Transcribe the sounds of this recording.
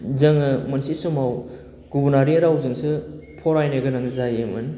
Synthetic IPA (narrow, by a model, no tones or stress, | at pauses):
zɐŋɯmɐnsisumaw | ɡ̥ubunaɾiɾawzɯŋsɯpʰɔɾajneɡɐnaŋzajemɯn